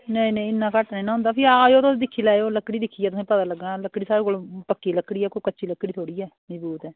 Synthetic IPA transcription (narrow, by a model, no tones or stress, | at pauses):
nəĩːnẽːɪnːãːkəʈnainãːɦʊ̃nd̪aːpʰɪaːd͡ʒoːt̪ʊsːd̪ɪkʰːiːlaːeoːləkːɽiːd̪ɪkʰːiːɛːt̪ʊsĩːpət̪aːləɡãːləkːɽiːsaːɾeːkoːlpəkːiːləkːɽiːɛːkoːkəːt͡ʃʃiːləkːɽiːt̪ʰoːɽiːɛːməd͡ʒbuːt̪ɛː